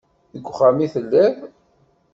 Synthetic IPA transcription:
əɡʷːχæmiθəlːæv

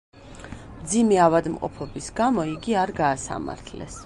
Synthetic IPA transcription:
md̪zimɛavad̪mqʼɔ̰pʰɔbisɡamɔiɡiaɾɡaːsa̰ma̰ɾt̪ʰlɛ̰s

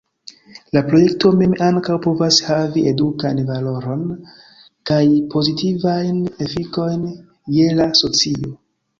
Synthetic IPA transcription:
lapɾo̞je̞kto̞me̞maŋkawpo̞vashaviedukanvalo̞ɾo̞n | kajpʰo̞zitivajne̞fiko̞jn | je̞laso̞t͡sio̞

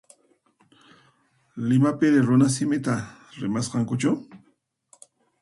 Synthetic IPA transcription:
lɪmapɪɾɪɾʊnas̬ɪmɪt̪aɾɪmasqɑŋkʊt͡ʃaw

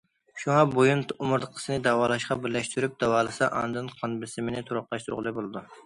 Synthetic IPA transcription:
ʃuŋɑbojunumʊɾd̪əqʰə̥sɨnɪd̪æwɑːlˠɑʃqɑbɪɾlɛʃt̪ʰyɾyp̚d̪̥ɑwɑːlˠɨsɑʔɑ̰nd̪ɨnqʰɑnbɪsɪmɪnɪt̪ʰuɾʊqlˠɑʃt̪ʰʊɾ̰ʁlˠɨbolˠɨd̪u

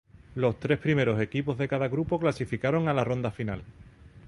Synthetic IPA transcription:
lo̞st̪ɾe̞hpɾime̞ɾo̞se̞kipo̞ɦðe̞kaðaɣɾupo̞klasifikaɾo̞ŋalaro̞nd̪afinal

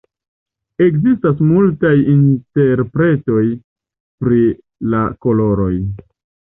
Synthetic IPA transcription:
e̞kzistasmultajinte̞ɾpɾe̞to̞j | pɾi | lako̞lo̞ɾo̞j

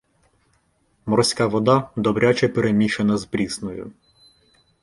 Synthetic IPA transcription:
mɔɾsʲkɑʋɔd̪ɑd̪ɔbɾʲat͡ʃɛpeɾemʲiʃenɐzpɾʲisnɔjʊ̰

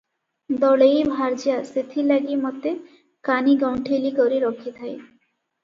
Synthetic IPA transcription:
d̪ɔlejbʱaɾd͡ʑijaset̪ʰilaɡimɔt̪e | kaniɡawɳʈʰelikɔɾiɾɔkʰit̪ʰaj

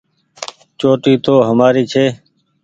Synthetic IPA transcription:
t͡ʃoːʈiːt̪oːɦəmaːɾiːt͡ʃʰeː

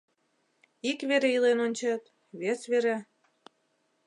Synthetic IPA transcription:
ikβeɾeilenonʲt͡ɕet̪ | βesβeɾe

